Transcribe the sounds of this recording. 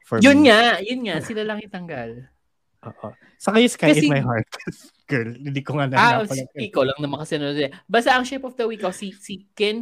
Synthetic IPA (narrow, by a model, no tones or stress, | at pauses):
fjʊnŋajʊnŋaʔsɪlalɐŋɪt̪ɐŋɡal | ʔo̰ːʔo | sɐkɐjɪskaɐɪɛmajɦaɹt̪̚s | ɡ̥ɛlɪnd̪ikoŋanɐaaɐɪkowlɐŋnɐmɐkɐsɛnod̪d̪ɛbaːst̪aʔɐŋʃɛpofd̪ɐwikʔosisikɛn